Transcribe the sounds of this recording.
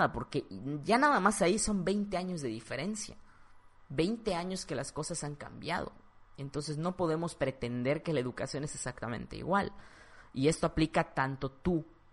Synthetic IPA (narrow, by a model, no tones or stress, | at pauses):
ðapo̞ɾke̞ʝanaðamasaiso̞mbe̞jnt̪e̞aɲo̞zðe̞ðife̞ɾe̞nsja̰ | βe̞jnt̪e̞aɲo̞ske̞lasko̞sasaŋka̰mbja̰ð̞o̞̰ | e̞nt̪o̞ns̬e̞sno̞po̞ðe̞mo̞spɾe̞t̪e̞nd̪e̞ɾke̞lae̞ðukasjo̞ne̞sesakt̪amẽ̞̰nt̪e̞̰ḭɣwal | ie̞st̪oaplikat̪ant̪o̞t̪u